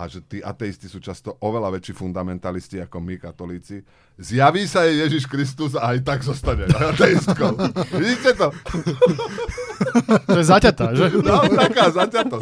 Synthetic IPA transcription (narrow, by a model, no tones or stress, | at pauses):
ʔa̰ʒɛt̪iːʔa̰t̪ɛistisuːt͡ʃast̪ɔʔɔʋɛlaʋɛt͡ʃifund̪amɛnt̪alisciakɔmikat̪ɔliːt͡si | zjaʋiːsajɛjɛʒiʃkɾis̬t̪uzaajt̪aɡzɔst̪aɲɛat̪ɛist̪kɔʊʋiɟiːcɛt̪ɔ | ʒɛzacat̪aʒɛnɔt̪akaːzacat̪ɔ